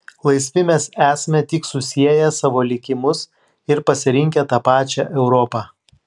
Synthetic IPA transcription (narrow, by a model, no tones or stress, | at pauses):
lˠɐɪsʲʋʲɪmʲɛsæːsʲmʲɛt̪ʲɪksʊsʲiɛjɛsɑːʋoːlʲɪkʲɪmʊs | ɪɾpɐsʲɪɾʲɪŋʲkʲɛt̪ɑːpɑːt͡ʃʲɛʔɛʊɾɔːpɑː